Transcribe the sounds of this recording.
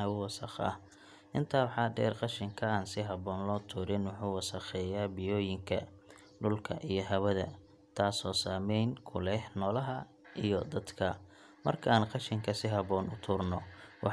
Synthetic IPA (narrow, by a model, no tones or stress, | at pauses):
ɐʊwɐsɑ̰χɐ̰h | ʔɪnt̪ʰaːwħɑːɖɛ̰ːrqɑʃɪŋkʰɐaːnsɪɦɐβɔːnlɔːt̪ʰuːɾɪnwʊħuːwɑsɑχɛːjaːbɪjɔːjɪŋkʰɐ | ɖʊlkʰɐ̰ʔijɞɦɐwɐðɐ̰ | t̪ʰaːsɔːsaːmɛjnkʰʊlɛhnɔːlɐɦɐ | ʔijɔd̪ɐd̪kʰɐ | mɐ̰rkʰɐaːnqɑʃɪŋkʰɐsɪɦɐβɔːnʊt̪ʰʊːrnɔwɑ